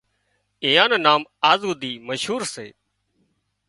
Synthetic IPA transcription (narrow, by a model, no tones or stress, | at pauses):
eːjãːnoːnaːmaːzuːd̪iːməʃɦuːɾsḛː